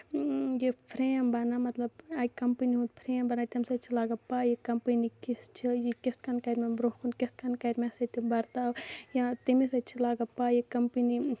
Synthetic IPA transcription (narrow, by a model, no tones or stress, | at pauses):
jepʰɾeːmbɐnamɐt̪lɐbaːikɐmpiniɦũd̪pʰɾeːmbɐnat̪imsɐt͡ʃʰilaːɡɐpaːjikɐmpinikist͡ʃʰijikist̪kɐnkɐjɾmebɾohkʰunkist̪kɐnkɐjɾmɛ̃sɐt̪ibɐɾt̪aːwjãt̪imisɐt͡ʃʰilaːɡɐpaːjikɐmpini